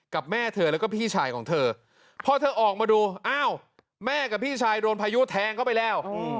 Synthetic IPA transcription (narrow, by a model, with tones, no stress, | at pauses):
ka˨˩p̚mɛː˥˩t̪ʰɤː˧lɛː˦˥wkɔ˥˩pʰiː˥˩t͡ɕʰaː˧jkʰɔː˩˦ŋt̪ʰɤː˧ | pʰɔ˦˥t̪ʰɤː˧ʔɔː˨˩k̚maː˧duː˧ʔaː˧˥˩w | mɛː˥˩ka˨˩pʰiː˥˩t͡ɕʰaː˧jdoː˧npʰaː˧ju˦˥t̪ʰɛː˧ŋkʰa˥˩pa˧jlɛː˦˥˩w